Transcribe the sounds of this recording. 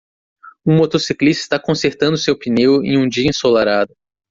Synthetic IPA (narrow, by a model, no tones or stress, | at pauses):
ũmot̪osiklist̪ɐɪst̪akõseɾt̪ɐ̃nd̪ʊsewpinewḛ̃j̃ũd͡ʒiɐẽsolaɾad̪ʊ